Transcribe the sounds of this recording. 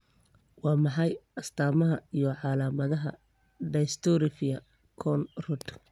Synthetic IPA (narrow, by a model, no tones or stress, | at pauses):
wɑːmɑħɑjɐst̪ʰaːmɐɦɐijɔʕɑːlaːmɐðɐɦɐ̰ | ɖɐst̪ʰɔɾɪfɪɐ | kʰɔnrʊt̪